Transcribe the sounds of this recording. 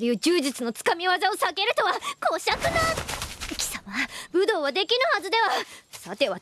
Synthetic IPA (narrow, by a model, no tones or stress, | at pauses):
ejɯ̟ːd͡ʑɨːʑit͡sɨno̞t͡sɨ̥kamʲiβazao̞sake̞ɾɯ̟t̪o̞βako̞ːɕakɯ̟nakʲi̥samabɯ̟d̪o̞ːβad̪e̞kʲinɯhazɨd̪e̞βasat̪e̞βa